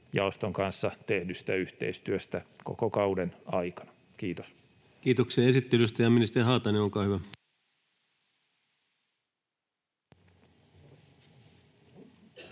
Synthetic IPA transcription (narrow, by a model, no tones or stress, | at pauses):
jɑ̰ost̪oŋkɑnsːɑt̪ehnysĭ̥t̪æyht̪ḛist̪yøst̪æko̰kokɑudenɑikɑ̥nɑ̥ | k̟iːt̪os | kiːt̪oksiɑesit̪ːelyst̪æjɑminist̪eriɦɑːt̪ɑneoŋkɑːhyʋæ